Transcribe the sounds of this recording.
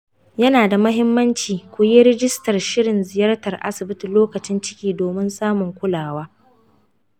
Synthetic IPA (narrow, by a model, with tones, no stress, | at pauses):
jɐ˦naː˨da˨mɐ˦ɦɪ˦mːɐ˦nt͡ʃiː˨kʷʊ˨je˦ɾɪ˦d͡ʒɪ˦stɐ˨rʃɪ˦ɽɪ˨nzɪ˨jɐ˦rtɐ˨rʔa̰˦sɪ˨bɪ˦ti˨loː˦kɐ˨t͡ʃɪ˦nt͡ʃɪ̥˦kʲiː˦doː˨mɪ˦nsaː˦mʊ˨ŋkʷʊ˦laː˨waː˦